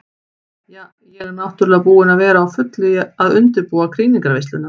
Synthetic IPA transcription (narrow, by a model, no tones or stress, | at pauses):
jaː | jɛɣɛɾnawht̪ʏɾʏlːɣapuːɪnavɛːɾaːwfʏt̪lʏaðʏnt̪ɪɾpuːakʰɾiːniŋkaɾvejst̪ʏna